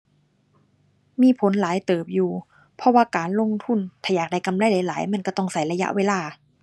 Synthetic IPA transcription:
miː˧˥˨pʰo˨˦nlaː˨˦jt̪ɤː˨˩p̚juː˨˩ | pʰɔ˧waː˧˩kaː˨nlo˧˨ŋt̪ʰu˧˥˩nt̪ʰɛː˨˧˩jaː˨˩k̚da˧˩jka˨mla˧˥˨jla˨˦laː˨˦jma˧˥˨nkɔ˧˩t̪ɔ˧˩ŋsa˨˦jla˧ja̰˧˥ʔweː˧laː˧˩

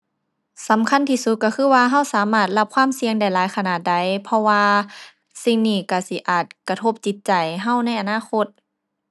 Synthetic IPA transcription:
sa˨˦mkʰa˧˥˨nt̪ʰiː˧su˧t̪̚kːa˧˩kʰɯː˧˥˩waː˧ɦa˧˥˩wsaː˨˦maː˧˩t̪̚la˧p̚kʰwaː˧˥˨msi˧əŋda˧˩jlaː˨˦jkʰa˧˨naː˨˩t̪̚da˧˩jpʰɔ˧waː˧ | si˧˩ŋniː˧˩ka˧˩si˧˦ʔaː˨˩t̪̚ka˧t̪ʰo˧˩p̚t͡ɕi˧˦t̪̚t͡ɕa˨˩jɦa˧˥˩wna˧˥˩jʔa˨naː˧˥˨xʰo˧˥t̪̚

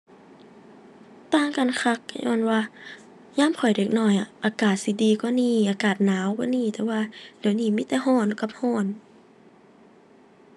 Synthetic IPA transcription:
t̪aː˧˩˨ŋka˨nkʰa˧˥k̚ːjʔɔ̰ː˧˥˨nwaː˧ | ɲaː˧˥˨mkʰɔ˨˩jdeː˨˩k̚nɔː˧˩jʔa˨˩ʔaː˨˧kaː˨˩t̪̚si˧˦diː˨˧kɔ˧˦niː˧˩ʔaː˨˧kaː˨˩t̪̚naː˨˦wkɔː˧˥˨niː˧˥˨t̪ɛː˧waː˧d̥eː˨˩˦wniː˧˩˨miː˧˥˨t̪ɛː˧ɦɔː˧˩˨nka˧˩p̚hɔː˧˥˩n

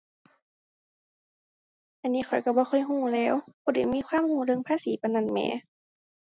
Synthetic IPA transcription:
ʔa˧˨nːiː˧˥˨xʰɔ˨˩jka˧˩bɔː˧˦xɔ˧˥˨jɦũː˧˩˨lɛː˧˥˨wbʰoː˧˩˨da˨˩˨jmiː˧˥˨waː˧˥˨mhuː˧˩˨lɤ˧˨ŋpʰaː˧˥˨siː˨˦pa˧˦na˧˩˨nmɛ̰ː˧˩˦

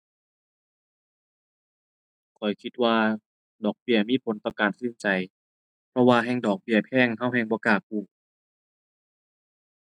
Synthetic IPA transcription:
kʰɔ˨˩jkʰi˧t̪̚waː˧ | dɔː˨˩k̚bi˧˩ɐəmiː˧˥˨pʰo˨˦nt̪ɔː˧˩kaː˨˩nsɯ˧˩˨nt͡ɕa˨˩j | pʰɔ˧waː˧ɦɛː˧˥˨ŋdɔː˨˩k̚bi˧˩ɐpʰɛː˧˥˩ŋɦa˧˥˨wɦɛː˧ŋbɔː˧˦kaː˧˩k̚uː˧˩

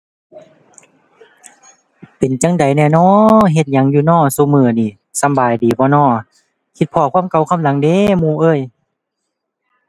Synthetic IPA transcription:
pe˨nt͡ɕa˧˥ŋda˨jnɛː˧˨nɔː˧˨ɦe˧t̪̚ɲa˨˧˦ŋjuː˧˦nɔː˧˩˨su˧˦mɯː˧˩niː˧˩ | sa˧˦mbaː˨˩jdiː˨˦bɔː˧˦nɔː˧˩˨ | kʰi˧t̪̚pʰɔː˧˨kʰaː˧˥˨mka˧˩wkʰa˧˥˨mla˨˦ŋdeː˧˨muː˧˦ʔɤː˧˥˨j

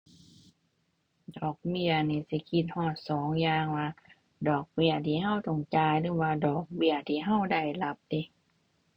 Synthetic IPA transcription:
dɔː˨˩k̚mi˧˩˨ɐniː˧˦si˧˩˦kʰi˧t̪̚hɔː˧˩t̪̚sɔː˨˦ŋjaː˧ŋwaː˧ | dɔː˨˩k̚bi˧˩ɐt̪ʰiː˧˩˦ɦã˧˩˨wt̪ɔ˧˩ŋt͡ɕaː˧jlɯː˨˧˦waː˧dɔː˨˩k̚bi˧˩ɐt̪ʰiː˧˨ɦa˧˥˩wda˧˩jla˧˦p̚di˧˦

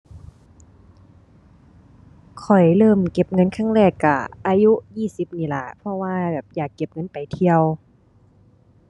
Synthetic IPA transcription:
kʰɔ˨˩jlɤː˧˥˩mke˧˥p̚ŋɤ˧˥˨nkʰaː˧˥˩ŋɾɛː˧˩kːa˧˩ʔaː˧ju˦˥ʔjiː˧˩˨si˧˦p̚niː˧˩la̰˧˩pʰɔ˧waː˧bɛː˨˩p̚jaː˨˩kːe˧˥p̚ŋɤ˧˥npa˨˩jt̪ʰi˧əw

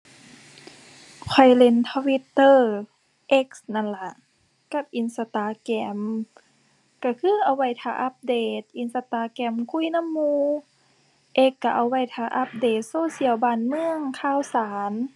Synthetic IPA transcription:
kʰɔ˧˩jle˧˩nt̪ʰɔ˧wi˧˦t̪ːɤː˧˩ | ʔe˧˦k̚sna˧˥˨nla˧ʔ | ka˧˥p̚ʔi˧nsa˧t̪aː˧˩kɛː˧˩˦m | ka˧˩kʰɯː˧˥˨ʔa˧˩wːa˧˩jt̪ʰaː˧ʔa˧˦p̚deː˧˩t̪̚ʔi˧˦nsa˧t̪aː˧˦kɛː˧˩mkʰu˧˥˨jna˧˥˨mːuː˧ | ʔe˧˦kːa˧˩ʔa˧˩wːa˧˩˨jt̪ʰaː˧ʔa˧p̚deː˨˩t̪̚soː˧˨si˧˨əwbaː˧˩nmɯ˧əŋkʰaː˧˥˨wsaː˨˦n

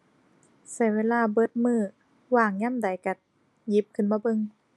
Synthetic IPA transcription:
sa˧˩jweː˧˥˨laː˧˩bɤ˧˥˩t̪̚mɯː˧˩ | waː˧˩ŋɲa˧˥˨mda˨˦jka˧˩ | ji˧˦p̚kʰɯ˧˩˨nmaː˧˩bɤ˧˨ŋ

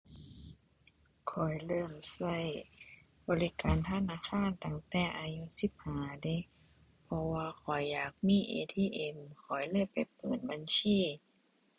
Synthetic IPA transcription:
kʰɔ˨˩jlɤː˧˥˩msa˧˥˩j | bɔː˨˦li˦˧˥kaː˨˦nt̪ʰa˧˨naː˧˨kʰaː˧˥˨nt̪a˧˩ŋt̪ɛː˧˩ʔaː˧ju˧˥si˨˧˦p̚haː˨˦da˧˨j | pʰɔ˧waː˧kʰɔ˨˩˦jːaː˨˩k̚miː˧˥˨ʔḛː˧t̪ʰiː˧˨ʔe˨˧˦mkʰɔː˨˩˦jlɤː˧˥˨mpa˨jpɤː˨˩n̚ba˨˦nsiː˧˩˨

